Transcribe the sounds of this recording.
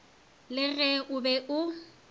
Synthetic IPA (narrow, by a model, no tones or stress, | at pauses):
lɪɣɛʔʊbɛʔʊ